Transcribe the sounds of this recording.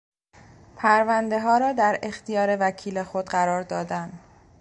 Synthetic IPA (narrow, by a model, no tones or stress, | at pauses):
pʰæɾvænd̪e̞ɦɒːɾɒːd̪æɾe̞xt̪ijɒːɾe̞væcʰiːlexod̪ɢæɾɒːɾd̪ɒːd̪ænd̪